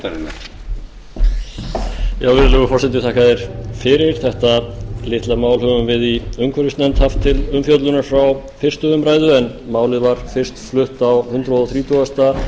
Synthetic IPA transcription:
ɾɪna | jawvɪɾlɛɣʏfɔr̥sɛt̪ɪt̪ʰaːkaðɪɾ̥fɪɾɪɾ̥θɛht̪alɪht̪lamaːwlhœvʏmvɪðiʏmkʰvœɾʏst̪nɛnt̪haft̪ʰːɪlʏmfjowt̪lʏnaɾ̥fɾaw | fɪr̥st̪ʏʏmpɾaːjðʏɛn | maːwlɪðvaɾ̥fɪr̥st̪flʏht̪awhʏnt̪ɾaðɔθɾiːt̪ʰuast̪a

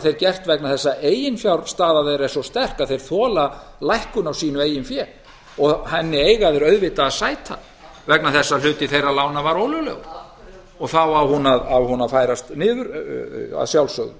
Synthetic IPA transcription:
θejɾcɛr̥t̪vɛknaðθɛsːaʔeːjɪnfjawɾst̪aːðavɛðɾɛnsɔst̪ɛr̥kaðθejɾ̥θɔːla | lajhkʏnawsiːnʏeːjʏnfjɛːl | ɔɣhɛnːɪejɣaðɪɾœɥðvɪt̪aːðsaːjt̪ʰa̰ | vɛknaθɛsːal̥ʏːt̪ɪθejralawnavaɾowlʏlœ̰ɣ̰ɾ | ɔɣθawavhunaðavhunafajɾast̪nɪːðʏɾa̰ðsjawlsœ̰ɣðʏ̰

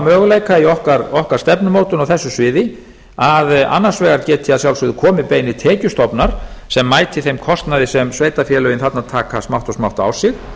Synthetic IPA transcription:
mœːɣʏleːjkaiɔhkaɾɔhkar̥st̪ɛpnʏmoːwt̪ʏnawθɛsːʏsvɪːðɪ | aða̰nːḁsvɛːɣaɾcɛːt̪ʰɪaðsjawlsvɪðʏkʰɔːmɪpeːjnɪt̪ʰɛːcʏst̪ɔpnaɾ̥sɛmːaːjt̪ʰɪθejmkʰɔst̪naðɪsɛmsveːjt̪afjɛːlœjɪnθat̪nat̪ʰaːkasmawht̪ɔsmawht̪a̰wsɪx

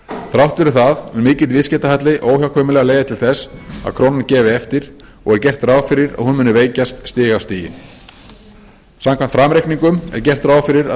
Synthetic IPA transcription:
θɾawht̪vɛɾʏθaðmɛnmɪːcɪlt̪vɪðscɛːt̪ahajt̪lɪʔoːwçjawkʰvœmɪlɛːɣaleːjðat̪ʰɪlθɛsa̰kʰɾownancɛːvɪɛft̪ɪɾ̥ | ɔ̰ɣɛɾcɛr̥t̪raːwfɪɾɪɾa̰ðhunmʏnːʏveːjcast̪st̪ɪːɣawst̪iːjɪ̰n | samkʰant̪fɾamɾejkniŋkʏmɛ̰ɾcɛr̥t̪ɾaːwfɪɾɪɾa

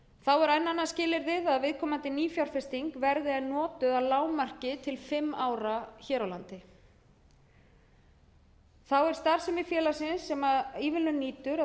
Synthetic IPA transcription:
θawɛɾajnːanːascɪːlɪɾðɪðaðvɪðkʰɔːmant̪ɪniːfjawɾ̥fɪst̪iŋkvɛɾðɪanɔːt̪ʏðaðlaːwmar̥cɪt̪ʰɪlfɪmːaːwɾaçɛːɾawlant̪ɪ | θawɛɾ̥st̪aɾ̥sɛmɪfjɛːlasɪnsːɛmaðiːvɪlʏniːt̪ʏɾa

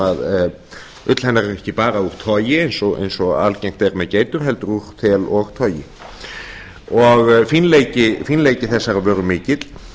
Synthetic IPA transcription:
að | ʏt̪l̥hɛnːaɾɛɾɛhcɪpaːɾauɾ̥t̪ʰɔːjɪejnsɔɣḛjnsɔa̰lcejŋ̥t̪ɛɾmɛðceːjt̪ʏɾ̥ɦɛlt̪ɾuɾ̥t̪ʰɛːlɔɣt̪ʰɔːjɪ | ɔɣfinleːjcɪfinleːjcɪθɛsːaɾavœːɾʏmɪːcɪt̪l̥

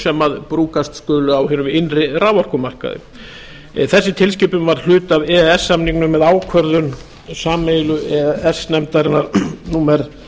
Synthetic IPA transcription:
sɛmaðpɾuːkast̪skʏːlʏawhɪnʏmɪnrɪraːwvɔr̥kʏmar̥ka̰ðɪ̰ | θɛsːɪt̪ʰɪls̬cɪpʏmvaɾ̥l̥ʏːt̪avɛɛsːamniŋknʏmːɛðaːwkʰvœɾðʏn | saːmeːjlʏɛɛsnɛmt̪aɾɪnːaɾnuːmɛɾ

